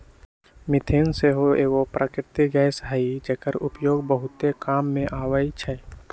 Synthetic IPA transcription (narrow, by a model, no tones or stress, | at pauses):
mɪt̪ʰinseɦoeːɡopɾʔəkɾɪt̪iɡɛːsɦəid͡ʒekəɾʊpjoːɡbəɦʊt̪ːekaːmːẽʔaːʋəit͡ʃʰɛ